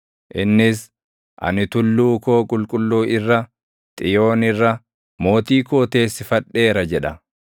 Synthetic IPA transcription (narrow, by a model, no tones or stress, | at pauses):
ʔɪnːɪs | ʔɐ̰nɪt̪ʊlːuːkoːkʼʊlkʼʊlːuːɪrːɐ | t̪ʼɪjo̞ːnɪrːɐ | mo̞ːt̪iːko̞ːt̪e̞ːsːɪfɐᶑːe̞ːɾɐd͡ʒɛᶑɐ